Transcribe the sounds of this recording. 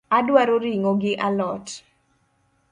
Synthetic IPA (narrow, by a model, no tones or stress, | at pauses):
adwaɾoɾiŋoɡɪʔalɔt